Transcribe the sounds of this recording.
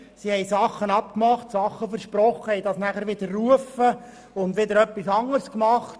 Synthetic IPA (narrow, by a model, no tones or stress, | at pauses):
sihɛjsɑχːənɑp̚kmɑχtsɑχːəfəɾʃpɾɔχːəhɛjdɑsnæχəɾʋɪd̪əɾːuəfə | ʊndʋɪd̪əɾœpːisɑŋːəɾskmɑχt